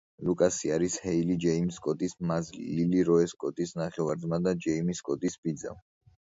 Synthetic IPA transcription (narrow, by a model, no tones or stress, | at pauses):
lukʼasiaɾishɛilid͡ʒɛimskʼɔt̪ʼismazlḭiliɾɔɛskʼɔt̪ʼisnaχɛvaɾd̪zmad̪ad͡ʒɛimiskʼɔt̪ʼisbid̪za̰